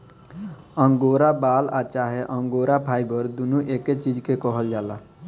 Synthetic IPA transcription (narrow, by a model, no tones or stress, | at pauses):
ə̃ŋɡoːɾabaːlat͡ʃaɦeʔə̃ŋɡoːɾapʰaːibəɾd̪unuʔeːket͡ʃid͡ʒkekɔɦəld͡ʒaːla